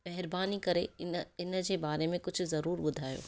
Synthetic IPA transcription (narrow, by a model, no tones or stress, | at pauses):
mɛɦɪɾbaːnikɐɾḛɪnd͡ʑeːbaːɾemẽkʊt͡ʃʰzɐɾuːɾbʊd̪ʱaːjo̰ː